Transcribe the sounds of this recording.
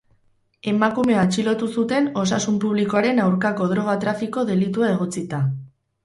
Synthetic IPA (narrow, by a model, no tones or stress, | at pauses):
e̞makume̞at͡ʃilo̞t̪usut̪e̞no̞s̬asumpuβliko̞aɾe̞nawɾkako̞ð̞ɾo̞ɣ̞at̪ɾafiko̞ðe̞lit̪uae̞ɣ̞o̞t͡sit̪a